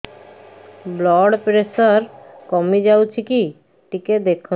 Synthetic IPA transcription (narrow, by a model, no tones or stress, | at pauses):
blɔɽpɾesɔɾkɔmid͡ʑawt͡ɕʰiki | ʈiked̪ekʰːu